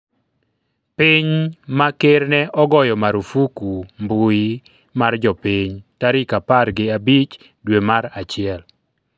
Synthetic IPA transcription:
piɲmakeɾnɛʔɔɡɔjɔmaɾufukumbui | mard͡ʒɔpiɲtaɾɪkaparɡɪabit͡ʃ | dwemaɾat͡ʃɪɛl

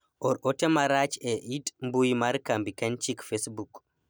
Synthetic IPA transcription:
ʔɔɾɔtɛmaɾat͡ʃɛʔitmbujmaɾkambikant͡ʃikfesbuk

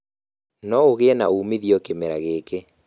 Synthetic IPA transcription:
nɔoɣeɛnauːmiðiɔkemeɾaɣeːke

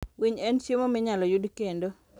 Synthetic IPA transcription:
wiɲɛnsjemomɪɲalɔjudkendo

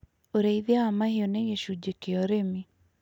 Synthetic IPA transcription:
oɾeiðjaamahioneɣeʃud͡ʒekeɔɾemi

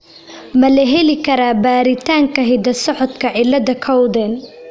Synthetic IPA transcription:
mɐlɐɦɛlɪkʰɐɾaːbaːɾɪt̪ʰaːŋkʰɐɦɪd̪ɐsɔħɔd̪kʰɐʕɪlːɐðɐkʰɐwd̪ɛn

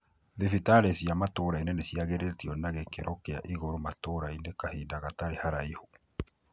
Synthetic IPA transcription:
ðifitaɾesjamatoɾainenesiaɣeɾetiɔnaɣekeɾɔkea̰ʔiɣoɾomatoːɾainekahiːndaɣataɾehaɾaiho

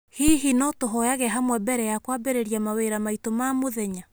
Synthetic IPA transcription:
hiɦinɔtoɦɔjaɣɛɦamwɛbɛɾɛjakwaːbeɾeɾiamaweɾamaitomaːmoðɛɲa

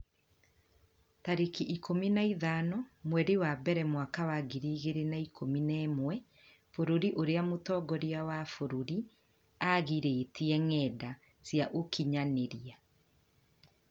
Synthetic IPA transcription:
taɾekiʔikominaiðaːnɔmwɛɾewabɛɾɛmwakawaɡiɾiːɣeɾenaikʰominɛːmwɛ | foɾoɾiʔoɾeamotɔːɡɔɾiawafoɾoɾi | aɣiɾeːtiɛŋɛda | sjaʔokʰiɲaneɾia

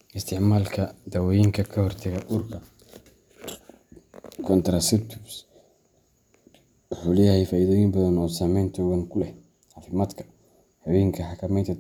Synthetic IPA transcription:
ʔɪst̪ʰɪʕmaːlkʰɐd̪ɐwɔjɪŋkʰɐkʰɐhɔrt̪ʰɐɣɐʔʊrkʰɐ | kʰɔnt̪ɾasɛt̪ʰʊbs | ħulɛjɐhɛjfaːiːðɔjɪmbɐðɐnɔːsaːmɛjnt̪ʰɔwɐŋkʰʊlɛ | ʕɑːfɪmaːd̪kʰɐ̥ | hɑwɛːŋkʰɐħɑkʰɐmɛjnt̪ʰɐ

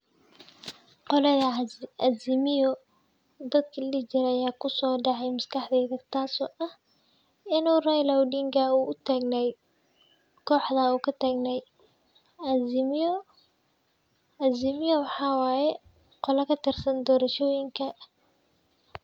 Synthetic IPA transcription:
qɔlɛðɐɐzɪmɪjɔ | d̪ɐd̪kʰɐlɪt͡ʃɪɾɐjaːkʰʊsɔːɖɑʕɛjmɐskʰɑħd̪ɛðɐɡt̪ʰaːsɔːʔɐh | ɪnuːrajlɐwɖiŋkʰɐuːʊt̪ʰaːɡnɛj | kʰɔːħd̪ɐuːkʰɐt̪ʰaːɡnɛj | zɪmɪjɔwɑħɑːwɑːjɛ | qɔlɛkʰɐt̪ʰɪrsɐnd̪ɔːɾɐʃɔːjɪŋkʰɐ

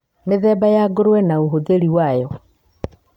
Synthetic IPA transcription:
meðɛbajaɡoɾwɛnaoɦoðeɾiwajɔ

